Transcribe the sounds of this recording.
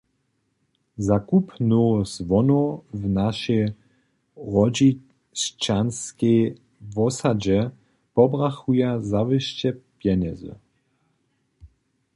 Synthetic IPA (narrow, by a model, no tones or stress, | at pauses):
zakupnozʋɔnovnaʃɛj | ʁɔd͡ʑi | st͡ʃanskɛj | vɔsad͡ʑɛ | pɔbʁaxujazavɨʃt͡ɕɛpjɛnɛzɨ̰